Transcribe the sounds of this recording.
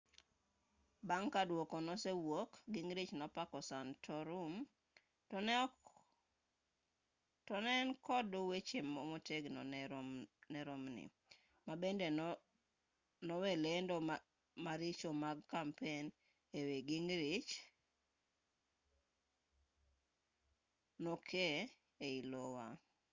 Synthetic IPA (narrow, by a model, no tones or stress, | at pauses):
baŋkadwokonɔsewokɡiŋɾit͡ʃnɔpakɔsantʰɔɾum | tɔnɛnkɔdʊwet͡ʃemːomoteɡnɔ̰n | nɛɾomnɪ̰ | mabendenɔ | nɔwelendɔ | maɾit͡ʃomaɡkampen | eweɡiŋɾit͡ʃ | nokʰe | eilowa̰